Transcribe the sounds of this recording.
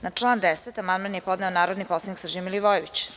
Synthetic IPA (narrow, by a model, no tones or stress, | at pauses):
nat͡ʂlˠaːnd̪eset̪amand̪manjepod̪nɛonaːɾod̪niposˠaniksrʒimiliʋojeʋit͡ɕ